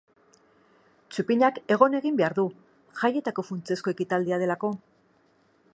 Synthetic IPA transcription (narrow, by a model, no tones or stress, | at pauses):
t͡supiɲake̞ɣ̞o̞ne̞ɣimbe̞aɾðu | xaje̞t̪ako̞funt͡se̞sko̞e̞kit̪ald̪iað̞e̞lako̞